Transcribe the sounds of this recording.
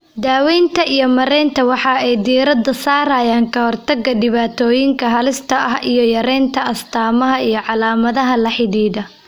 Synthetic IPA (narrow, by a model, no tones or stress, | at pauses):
d̪aːwɛjnt̪ʰɐijɞmɐɾɛːnt̪ʰɐwɑħɑɛjd̪iːɾɐd̪ɐsaːɾaːjaːŋkʰɐhɔrt̪ʰɐɡɐɖɪβaːt̪ʰɔːjɪŋkʰɐɦɐlɪst̪ʰɐɐɦijɞjɐɾɛːnt̪ʰɐɐst̪ʰaːmɐɦɐijɞʕɑlaːmɐðɐɦɐlɐħɪðiːðɐ